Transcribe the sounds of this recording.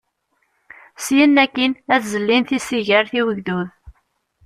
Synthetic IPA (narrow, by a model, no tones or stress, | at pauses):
sjənːækːinæθzəlːinθisiʝəɾθiwəʝðuð